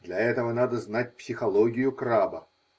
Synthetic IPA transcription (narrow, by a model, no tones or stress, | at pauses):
d̪lʲɐɛt̪əvənad̪əznat̚ʲpsʲɪxɐlˠoɡʲɪjʊkrabə